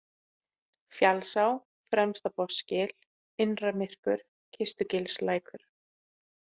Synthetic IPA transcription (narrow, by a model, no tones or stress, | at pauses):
fjalsaw | fɾɛmst̪apɔscɪl | ɪnramɪr̥kʏɾ̥ | cʰɪst̪ʏcɪlslaːjkʰʏɾ̥